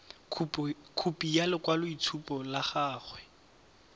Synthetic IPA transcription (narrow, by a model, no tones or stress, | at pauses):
pkʰupʼijalɪkwalʊitʰupʼɔlaχaːχwɛ